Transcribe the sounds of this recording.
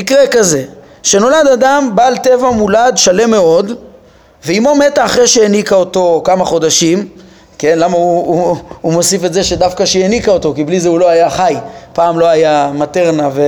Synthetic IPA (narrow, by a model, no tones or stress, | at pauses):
ikʁekaze̞ | ʃe̞no̞ladadambaːlt̪e̞vamuladʃale̞mːe̞o̞d̪ | veimo̞me̞taːχʁeʃejenikaoto̞kamaχo̞daʃim | ke̞nlamauuumo̞sifetzeʃe̞dafkaʃejenikao̞to̞kiblizeulo̞ajaχajpaːmlo̞ajamate̞ʁnave